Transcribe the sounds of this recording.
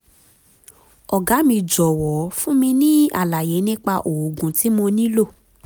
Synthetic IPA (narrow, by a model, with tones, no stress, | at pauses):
ɔ˨ɡa˨˦mĩ˧d͡ʒɔ˨wɔ˨˦fũ˦mĩ˧nĩ˦a̰˦˨la˨je˨˦nĩ˦k͡pa˧ʔo˨o˨ɡũ˨ti˨˦mo˧nĩ˦lo˦˨